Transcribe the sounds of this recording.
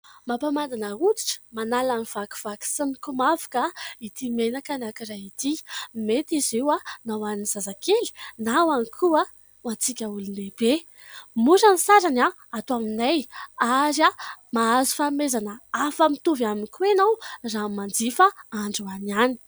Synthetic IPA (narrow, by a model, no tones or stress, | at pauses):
mapamand̪anəut͡s̪i̥ʈ͡ʂə̥manalaniv̥aku̥v̥aki̥sənikumavu̥kait̪imenakanakiɾajit̪imet̪izewanawaniniz̥azakeli̥nawanikʰua | ant͡sikʲəulunleb̥e | muɾanisaɾana | at̪uaminajaɾjamaazu̥famezanəafəmit̪uvaminkuenawramand͡zifəaɳɖ͡ʐuaniani̥